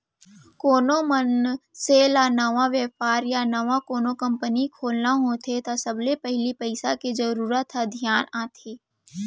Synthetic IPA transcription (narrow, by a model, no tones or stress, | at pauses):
koːnomənselanɐʋaʋjɛːfaːɾjanɐʋãkoːnokə̃mpənikʰoːlnaɦot̪ʰet̪asəblepəɦlipəɪsaked͡ʒəɾuːɾət̪ad̪ʱjaːnaːt̪ʰeː